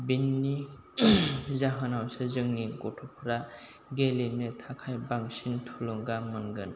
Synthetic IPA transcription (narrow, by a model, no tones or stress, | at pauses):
binːi | zaɦanawsɯzɯŋniɡɔtʰɔpʰɾa | ɡelinɯtʰakʰajbaŋsintʰulɯŋɡamɯnɡɯn